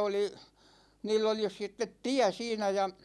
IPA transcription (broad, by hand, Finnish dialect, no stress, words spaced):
oli niːlː oli sitːet tiæ siːnæ jɑ